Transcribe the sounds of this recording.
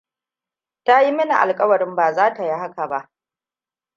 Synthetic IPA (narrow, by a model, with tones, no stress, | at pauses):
ta˦ji˦mɐ˦na˨ʔa̰˨lkʼɐ˦wɐ˨ɾɪ˦mbaː˨zaː˦ta˨ji˦ɦa˦ka˨ba˦ʔ